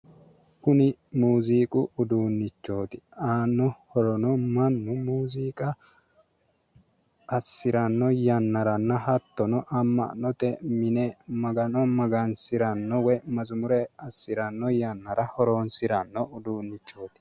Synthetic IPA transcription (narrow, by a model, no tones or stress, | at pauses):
kʊnɪmuːziːkʼʊʔʊd̪uːnːɪt͡ʃːo̞ːt̪ɪ̥aːnːɔhɔɾɔnɔmɐnːʊmuːziːkʼɐ | sːɪɾɐnːɔjɐnːɐɾɐnːɐhɐt̪ːɔnɔʔɐmːɐ̰nɔt̪ɛmɪnɛmɐɡɐnɔmɐɡɐnsɪɾɐnːɔwɛmɐzʊmʊɾɛɐsːɪɾɐnːɔjɐnːɐɾɐhɔɾoːnsɪɾɐnːɔʊd̪uːnːɪt͡ʃːo̞ːt̪ɪ̥